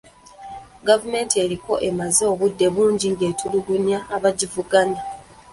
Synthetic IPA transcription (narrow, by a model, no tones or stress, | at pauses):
ɡavume̞ːntie̞ɾiko̞ʔe̞mazeoβudːe̞βuːɲɟiŋɡe̞ːtʰuluɡunjaːβaɟivuɡana